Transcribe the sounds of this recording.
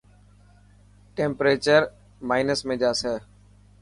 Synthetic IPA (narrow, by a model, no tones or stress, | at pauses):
ʈẽːmpɾeːt͡ʃəɾ | maːɪnəsmẽːd͡ʒaːsɛː